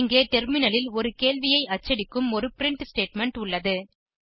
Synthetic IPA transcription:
ŋɡeːt̪ɛɾmɪnɐlɪlɔɾɯkeːɭʋɪjɐɪɐt͡ʃːɐɽɪkːɯmɔɾɯpɪɾɪɳʈsʈeːʈmɛɳʈʊɭːɐðɯ

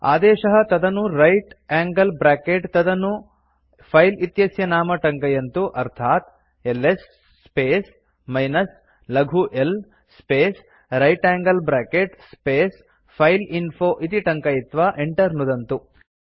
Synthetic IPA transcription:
a̰ːd̪ɛːʃɐɦɐt̪ɐd̪ɐnuɾɐjʈaːŋɡɐlbɾaːkeʈt̪ɐd̪ɐnu | pʰɐjlit̪jɐsjɐnaːmɐʈɐŋkɐjɐnt̪uʔɐɾt̪ʰaːt̪̚ | elːesː | peːs | mɐjnɐs | lɐɡʱuʔel | speːs | ɾɐjʈaːŋɡɐlbɾaːkeʈspeːs | pʰɐjlinpʰoːʔit̪iʈɐŋkɐjit̪ʋaːʔeɳʈɐɾnud̪ɐnt̪u

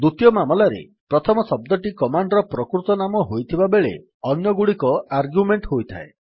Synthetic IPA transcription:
d̪ut̪jɔmamɔlaɾḛ | pɾɔt̪ʰɔmɔsɔb̚d̪ɔʈikɔmaɳɖɔɾɔpɾɔkɾut̪ɔnamɔɦojt̪ʰibabeɭḛ | ɔnjɔɡuɽikɔaɾɡjumeɳʈɦojt̪ʰa̰e

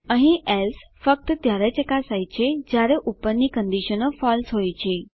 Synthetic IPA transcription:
ə̃ɦĩɛls | fək̚t̪ət̪jaɾet͡ɕekasajt͡ɕʰed͡ʑjaɾeʔupənːikənd̪iɕənəfɔlsɦojt͡ɕʰe

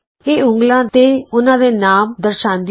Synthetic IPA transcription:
eːʊ̃ŋɡlãːt̪eːʊnãːd̪eːnaːmd̪əɾʃãːnd̪ɪ

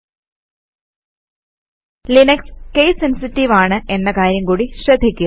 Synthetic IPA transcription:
linɐkskejsensitːiʋaːɳɨʔe̞nːɐkaːɾjɐmkuːɽiɕrɐd̪ʱikʲːu

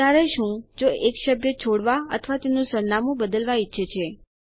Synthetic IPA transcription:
aɾeʃũd͡ʒoeksəbjət͡ʃʰoɽʋaə̰t̪ʰəʋat̪enũsəɾnamũbəd̪əlʋaitːʃʰət͡ʃʰe

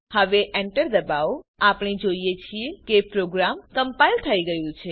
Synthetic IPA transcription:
həʋeʔeɳʈəɾd̪əbaʋoapɳ̃id͡ʒoijet͡ʃʰiekepɾoɡɾamkəmpajlt̪ʰəiɡəjũt͡ʃʰe

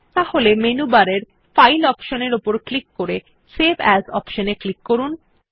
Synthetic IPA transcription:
t̪aholemenubaɾeɾ | fajlɔpʃoneɾopoɾklikːoɾe | sebʱɛzɔ̰pʃoneklikːoɾun

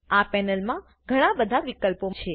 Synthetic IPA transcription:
apɛnəlmã | ɡʱəɽ̃ãbəd̪ʱaʋikəlpot͡ʃʰe

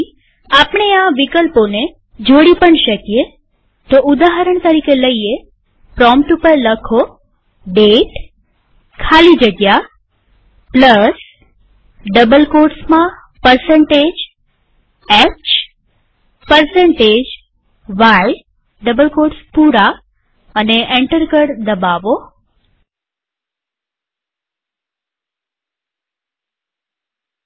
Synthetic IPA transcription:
apɳ̃eaʋikəlpone | d͡ʒoɽipəɳʃəkije | t̪oud̪aɦəɾəɳ̃t̪əɾikeləie | pɾɔmʈupəɾləkʰo | ɖeʈ | kʰalid͡ʒəɡja | pləs | ɖəbəlkoɾsmã | pəɾsẽɳʈeːd͡ʑ | ekt͡ʃ | pəɾsẽɳʈeːd͡ʑ | ʋaj | ɖəbəlkoːʈspuːɾa | əneʔẽɳʈəɾkəɽd̪əbaːʋo

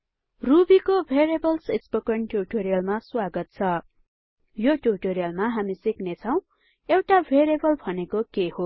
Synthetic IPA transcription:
rubikobʱeɾebʌlsespokʌnʈuʈoɾijʌlmaswaɡʌt̪̚t͡sʰʌ | joʈuʈoɾijʌlmaɦamisiknet͡sʰʌw̃ | ewʈabʱeɾebʌlbʱʌnekokeɦo

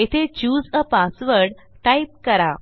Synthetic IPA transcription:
it̪ʰet͡ɕuːzəpasʋəɾɖ | ʈaip̚kəɾa̰

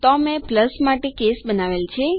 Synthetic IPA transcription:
t̪ɔmẽpləsmaʈekesbənaʋelt͡ʃʰe

